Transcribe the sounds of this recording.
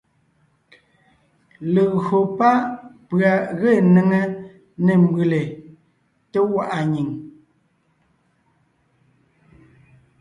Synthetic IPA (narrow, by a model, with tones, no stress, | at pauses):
le˨ɣo˨pa˦pɰa˨ɣe˦˨ne˨ŋə˦ | ne˨m˦bɨ˨le˨ | te˦wa˦˨ʔa˨ɲi˨ŋ